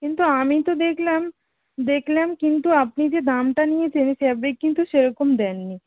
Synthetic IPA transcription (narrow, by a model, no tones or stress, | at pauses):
kɪnt̪uamĩt̪od̪eːkʰlem | d̪eːkʰlemkɪnt̪uɐpnid͡ʒed̪aːmʈ̪aniẽt͡ʃeniseɐbekɪ̃nt̪uʃeɾokʊmd̪ɛːnːi